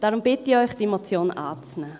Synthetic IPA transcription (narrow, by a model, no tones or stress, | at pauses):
d̥aɾʊmb̥ɪtiɔʏxd̥iemot͡sjoːna̰ːt͡snɛː